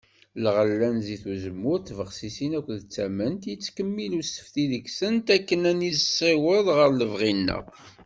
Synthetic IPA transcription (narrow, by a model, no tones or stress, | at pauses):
lʁəlːænziθuzəmːʊɾt̪ːvəʁsisinækʷːðt͡sːæmənt̪jət͡sːkəmːilusə̥fθiðəɡsənt̪ækːənænizəsˤːiwəðˤʁəɾləvʁinːæ̰